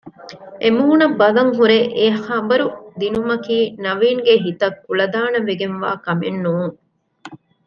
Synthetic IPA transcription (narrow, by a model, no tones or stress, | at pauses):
ʔemuːunɐbːɐlɐŋɦuɾeʔehɐbɐɾud̪inumɐkiːnɐʋiːŋɡeɦit̪ɐkːuɭɐd̪aːnɐʋeɡenʋa̰ːkɐmenːuːŋ